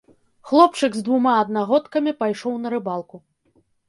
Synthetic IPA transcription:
xlˠɔp̚t͡ʂɨɡzd̪vumaɐd̪̚naɣɔt̪kɐmʲipajʂɔwnɐɾɨbalˠku

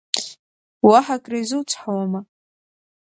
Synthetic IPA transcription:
waħakʼrajzɨwt͡sʷʰħawama

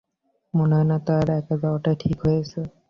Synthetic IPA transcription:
monaanat̪aɾɛkazawʈaʈʰikɦojasʰe

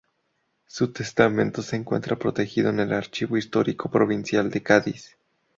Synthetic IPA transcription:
sut̪e̞st̪amẽ̞nt̪o̞se̞ːŋkwe̞̰nt̪ɾapɾo̞t̪e̞xiðo̞ene̞laɾt͡ʃiβo̞ist̪o̞ɾikʰopɾo̞βinsjald̪e̞kaðis

